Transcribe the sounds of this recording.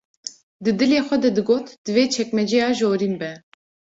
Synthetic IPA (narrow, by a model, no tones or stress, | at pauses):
d̪ɨd̪ɨleːxʷɛd̪ɛd̪ɨɡoːt̪d̪̥ɨveːt͡ʃʰɛkmɛd͡ʒɛjɑːʒoːɾiːnbɛ